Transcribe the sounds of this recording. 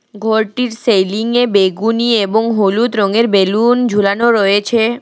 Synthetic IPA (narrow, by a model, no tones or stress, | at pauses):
ɡʱoɾʈiɾsejliŋebeɡunieboŋɦolut̪ɾoŋeɾbelund͡ʑʱulanoɾɔet͡ɕʰe